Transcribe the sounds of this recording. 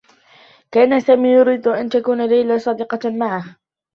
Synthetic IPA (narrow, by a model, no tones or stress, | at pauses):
kaːnasaːmiːjʊɾiːd̪ʔant̪akuːnalajlasˤɑːd̪ɪqɑmaʕah